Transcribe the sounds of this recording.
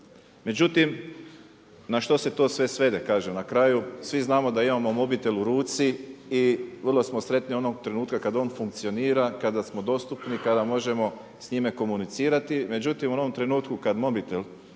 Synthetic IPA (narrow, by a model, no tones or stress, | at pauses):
me̞d͡ʑut̪im | naʃt̪o̞se̞t̪o̞ːsʋe̞sʋe̞d̪e̞kaːʒemnakɾaːjusʋiznaːmo̞d̪aimamo̞mo̞bit̪e̞luɾuːt̪siiʋrlˠo̞smo̞sɾe̞t̪nio̞no̞ɡ̚t̪ɾe̞nuːt̪kakad̪o̞ːnfuŋk̚t̪sijo̞niːɾakad̪asmo̞d̪o̞st̪upnikad̪amo̞ʒe̞mo̞ | sɲime̞ko̞munit̪siːɾat̪ime̞d͡ʑut̪imuno̞ʋo̞mt̪ɾe̞nuːt̪kukad̪mo̞bit̪el